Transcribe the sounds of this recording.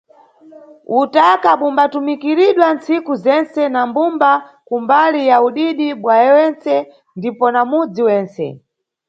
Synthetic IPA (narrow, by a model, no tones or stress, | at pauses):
utakaɓumbatumikiɾiɗwant͡sikuzɛnt͡sɛnambumbakumbalijauɗiɗiɓwajɛwɛnt͡sɛ | ndipɔnamud͡ziwɛːnt͡sɛ̰